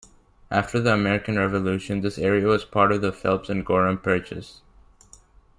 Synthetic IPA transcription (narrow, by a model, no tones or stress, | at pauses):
ʔæftʰə˞ðiəmɛɹɨkɨ̃nɹɛvəlʉʃɨ̃nðɪsɛɹiɨwʌz̥pʰɑɹɾʌvðəfɪ̰lˠpsɨ̃nɡɔɹə̃npʰɜ˞t͡ʃɨ̰s